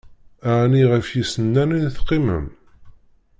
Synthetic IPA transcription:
aʕniʁəfjisənːæninθqːimə̰m

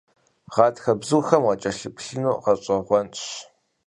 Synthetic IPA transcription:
ʁɑːtxɐbzuːxɐmʁɐt͡ʃʼɐɬɨpɬɨnuːqɐɕʼɐʁʷɔnɕ

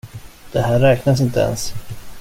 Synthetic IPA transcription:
d̪̥ɛhæːɾːɛːknasɪnt̪əɛ̰ns

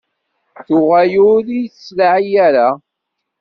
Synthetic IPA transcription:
θʊʁæjʊɾijθslaʕijæɾa

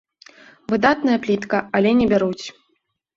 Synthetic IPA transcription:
vɨd̪at̪̚nɐjɐplʲit̪kɐalʲɛnʲɛbʲaɾut͡sʲ

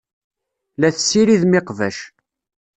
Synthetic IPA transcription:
læθəsːiɾiðmɪqvæʃ

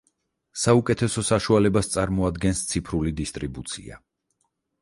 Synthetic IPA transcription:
saukʼɛt̪ʰɛsɔsaʃualɛbast̪sʼaɾmɔad̪ɡɛnst̪sʰipʰɾulid̪ist̪ʼɾibut̪sʰḭa̰

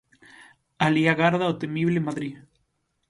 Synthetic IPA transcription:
aliaɣaɾðaot̪emiβlemaðɾi

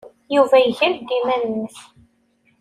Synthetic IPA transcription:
juvæjəʝəɾd̪imænənːəç

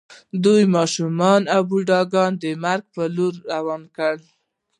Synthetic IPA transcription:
d̪ujmɑʃumɑnawbuɖɑɡɑnd̪əmaɾɡ̚pəloɾːawɑnkəɽ

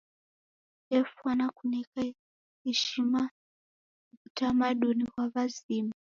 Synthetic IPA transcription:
ɛfuanakunɛka | hɛʃima | utamaɗunikwaβazima

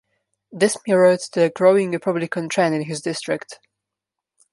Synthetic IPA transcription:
ðɪsmiɹətðəɡɹoʊɪ̃ŋəpʰʌblikʰə̃ntʰɹɛ̃nɪ̃nɦɪzdɪstɹ̥ɪkt

